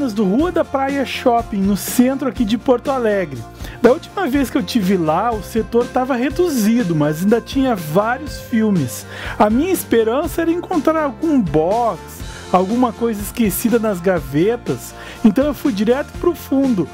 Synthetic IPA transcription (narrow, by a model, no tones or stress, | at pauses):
nɐzd̪ʊɦuɐd̪ɐpɾajɐʃɔpĩj̃nʊsẽnt̪ɾʊakid͡ʒɪpoɾt̪ʊalɛɡɾɪd̪ɐuwt͡ʃimɐveskɪewt͡ʃivɪlaʊset̪oɾt̪avɐɦed̪uzid̪ʊmɐzaĩnd̪ɐt͡ʃĩɲɐvaɾjʊsfiwmɪs | ɐmĩɲɐispeɾɐ̃sɐɛɾɐẽŋkõnt̪ɾaɾawɡũbɔks | awɡũmɐkojzɐɪskesid̪ɐnɐzɡavet̪ɐs | ẽnt̪ɐ̃w̃ewfujd͡ʒiɾɛt̪ʊ̥pɾʊfũnd̪ʊ